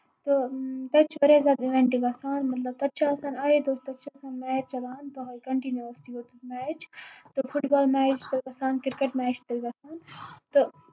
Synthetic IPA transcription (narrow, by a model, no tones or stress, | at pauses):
t̪ot̪ɐt͡ʃʰʋɐɾezaːd̪ɪʋɛ̃ɳʈiɡɐsaːnmɐt̪lɐb̚t̪ɐtːʃʰasaːnaːed̪oːst̪ɐtːt͡ʃʰasaːnmɛːɾt͡ʃɐbaːnp̪ɐɦɐkɐɳʈinjuəsʈiot̪mɛːt͡ʃt̪ofʰuʈbaːlmɛːt͡ʃt̪oɐsaːnkɪɾkeʈmɛːt͡ʃʰt̪ɐɡasaːnt̪o